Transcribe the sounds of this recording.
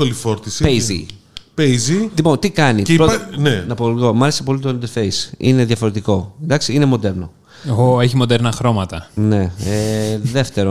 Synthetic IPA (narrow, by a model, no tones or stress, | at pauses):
olifo̞ɾt̪isipezḭ | peizilipo̞nt̪ikɐnipɾonenɐpolɣo̞mɐɾesepo̞lit̪o̞ind̪eɾfe̞jsḭne̞ðjɐfo̞ɾe̞t̪iko̞end̪ɐksiine̞mo̞d̪e̞ɾno̞ | eɣoeçimo̞d̪eɾnɐxɾo̞mɐt̪ɐne̞eðe̞ft̪e̞ɾo